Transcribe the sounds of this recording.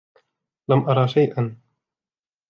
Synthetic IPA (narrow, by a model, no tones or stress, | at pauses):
lamʔɑɾˤɑːʃajʔan